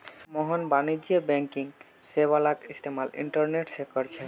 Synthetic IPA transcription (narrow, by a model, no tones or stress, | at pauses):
mɔɦɔnbanid͡ʑiebɛŋkiŋ | seβalakist̪ʰemalḭɳʈɔɾneʈsekɔɾt͡ɕʰe